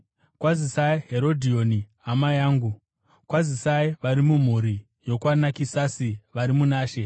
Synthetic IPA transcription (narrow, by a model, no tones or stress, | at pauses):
kwazisaiɦeɾo̞dʱio̞niɦamajaːŋɡu | kwazisaiʋaɾimum̤uɾi | jo̞kwanakisasiʋaɾimunaːʃe̞